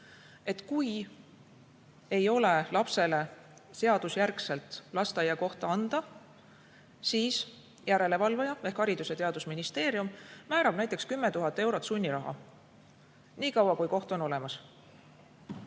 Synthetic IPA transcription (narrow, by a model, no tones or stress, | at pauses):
e̞t̪ːˑkuj | e̞jo̞le̞lɑpse̞le̞se̞ɑd̪̥usjærkse̞lt̪ˑlɑst̪ɑjɑko̞ht̪ɑɑnd̪̥ɑ | siːs | jæɾe̞le̞vɑlvɑjɑe̞hkhɑɾid̪use̞t̪e̞ɑd̪usminist̪e̞ːɾiummæːɾɑb̥̚næjt̪ːˑe̞kskymːet̪uɦɑt̪ːˑe̞wɾo̞t̪ːˑsunʲːiɾɑɦɑ̰ | niːkɑwɑkujko̞ht̪o̞no̞le̞mɑs